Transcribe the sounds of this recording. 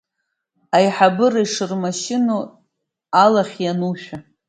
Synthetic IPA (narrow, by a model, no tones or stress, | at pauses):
ajħabɨraiʂɨrmaʃɪno | alaχʲjanuʃᶣa